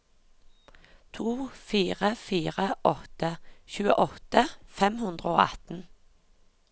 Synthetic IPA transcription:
t̪ʰuːfiːʁəfiːʁəʔɔt̪əçʉːə̰ʔɔt̪əfɛmhʉnd̪ʁəo̰ːɑ̰t̪n̩

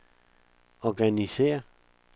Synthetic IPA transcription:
ɒɡ̥ænisḛːɐ

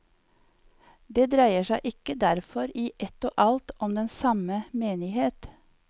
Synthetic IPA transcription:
d̪eːd̪ɾæɪəʃæɪʔɪkəd̪æɾfɔɾiːʔɛt̪o̰ːʔɑlt̪ɔmd̪ɛnsɑməmeːnɪheːt̪

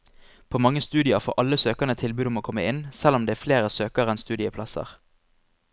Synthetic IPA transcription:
pʰoːmɑŋːəst̪ʉːd̪ɪəʁfo̰ːʔɑləsøːkəʁnət̪ʰɪlbʉːɔmoːkʰɔmːəɪnsɛlɔmd̪eːæːfleːʁəsøːkəʁɛnst̪ʉːd̪ɪəpʰlɑsə̰ʁ

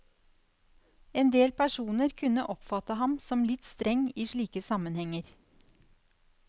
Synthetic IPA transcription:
eːnd̪eːlpʰæʂuːnəɾkʰʉnəʔɔpfɑt̪əɦɑmsɔmlɪt̪st̪ɾɛŋːiːʂɭiːkəsɑmənhɛŋəɾ

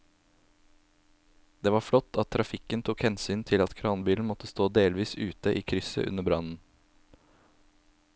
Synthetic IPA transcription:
d̪eːʋɑːfɽɔt̪ʰːɑt̪ʰːɾɑfɪkənt̪ʰukhɛnsyːnt̪ʰɪlɑt̪kʰɾɑːnbiːln̩mɔt̪əst̪oːd̪eːlʋiːsʉːt̪əʔiːkʰɾʏsə̰ʔʉ̰nəbɾɑnn̩

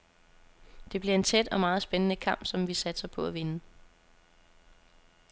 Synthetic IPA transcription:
d̥e̝b̥liɐe̝nt͡sʰed̥ɒ̽mɑ̈ːð̩ˠsb̥enənəkʰɑ̈m̰b̥sɒ̽mʋisæd̥sɐpʰɒ̽æʋe̝nə

